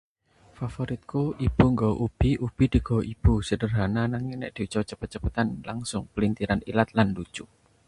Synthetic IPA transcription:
fafoɾit̪̚koib̥uŋɡaʔub̥iʔub̥i̤d̪̥i̤ɡ̥ɔwʔib̥usədərɦananaŋinɛ̰ʔd̪̥i̤ut͡ʃɔt͡ʃəpət̪̚t͡ʃəpat̪anlaŋsʊŋpəlint̪iɾanḭlat̪̚landu̥t͡ʃʊ

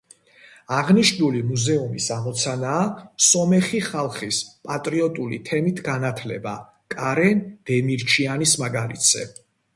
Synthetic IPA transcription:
aʁniʃulimuzɛumisamɔt̪sʰanaːsɔmɛχiχalˠχispʼat̪ʼɾiɔt̪ʼulḭt̪ʰɛmit̪ʰɡanat̪ʰlɛ̰ba | kʼaɾɛnd̪̥ɛmiɾt͡ʃʰianismaɡalḭt̪ʰszɛ̰

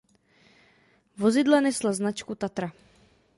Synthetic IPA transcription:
vozɪdlanɛslaznat͡ʃkut̪at̪ɾa

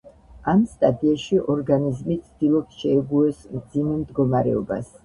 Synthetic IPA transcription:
amst̪ʼad̪iaʃiʔɔɾɡanizmit̪sʰd̪̥ilˠɔpsʃɛɛɡuɛsmd̪zimɛmd̪ɡɔmaɾɛ̰ɔba̰s

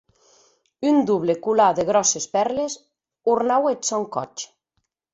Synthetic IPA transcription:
ynd̪uβlekulaðeɣɾɔsespɛɾles | uɾnawesɔŋkɔ̰t͡ʃ

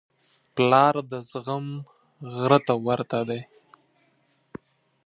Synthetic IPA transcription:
plɑɾd̪əzɣəm | ɣɾət̪awaɾt̪ad̪e

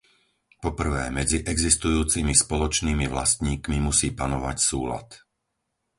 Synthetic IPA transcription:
pɔpr̩ʋɛːmɛd͡ziʔɛɡzist̪ujuːt͡simispɔlɔt͡ʃniːmiʋla̰st̪ɲiːkmimusiːpanɔʋacsuːla̰t̪

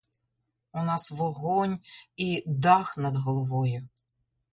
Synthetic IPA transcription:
ʊnɑsʋɔɦɔnʲid̪ɑxnɐd̪ɦɔlˠɔʋɔjʊ

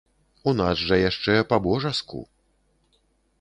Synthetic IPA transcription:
unazʐɐjaʂt͡ʂɛpabɔʐaskṵ

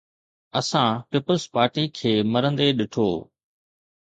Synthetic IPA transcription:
ɐsãpɪpəlspaːɾʈikʰeːmɐɾə̃nd̪eɗɪʈʰoː

